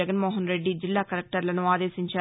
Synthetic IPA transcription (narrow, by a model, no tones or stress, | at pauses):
ɐɡɐnmoːɦɐnɾeɖːid͡ʒɪlːaːkɐɾɐk̚ʈɐɾɪlɐnũaːðeːsɪɲt͡ʃːa